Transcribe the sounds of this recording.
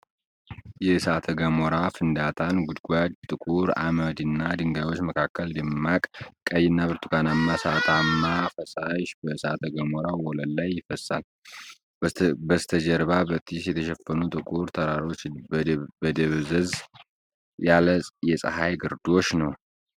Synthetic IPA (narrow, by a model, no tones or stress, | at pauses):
jɛsat̪ʰəɡəmoɾafɨnd̪at̪ʰanɡud̪ɡʷad̪t̪ʼɨkʼuɾa̰məd̪ɨnːad̪ɨŋɡajwo̞t͡ʃːməkʰakʰːəld̪ɨmːakʼkʼəjɪnːabɨɾt̪ʰukanamːasat̪ʰamːafəsaʃbəsa̰t̪ʰəɡəmoɾawɔləlːajːɪfəsːa̰l | bəst̪ʰəd͡ʒɛɾbabət̪ʰʼisjɛt̪ʰəʃɛfːənut̪ʼɨkʼuɾt̪ʰəɾaɾo̞t͡ʃː | bəd̪əβzəz | jaləsʼjɛsʼə̰hajɡɨɾd̪o̞t͡ʃːnəw